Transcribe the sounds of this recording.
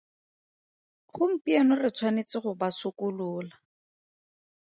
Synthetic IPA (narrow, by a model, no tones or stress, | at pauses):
χʊm̩pianʊrɪt͡sʰwanet͡sɪχʊbasʊkʊlʊːla